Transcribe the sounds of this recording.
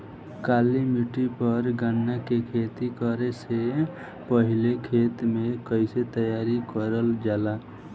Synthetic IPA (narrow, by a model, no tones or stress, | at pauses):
kaːlimiʈipəɾɡənːakekʰeːt̪ikəɾese | pəɦɪlekʰeːt̪mẽkəɪset̪əjaːɾikəɾəld͡ʒaːla